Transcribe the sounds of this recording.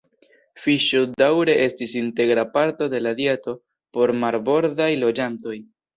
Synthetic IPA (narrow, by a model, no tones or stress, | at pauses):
fiʃodawɾe̞ʔe̞stisinte̞ɡɾapaɾto̞de̞ladjeto̞ | po̞ɾmaɾbo̞ɾdajlo̞d͡ʒanto̞j